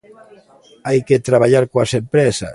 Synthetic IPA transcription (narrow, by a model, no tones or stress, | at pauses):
ajket̪ɾaβaʎaɾkoasempɾɛsa̰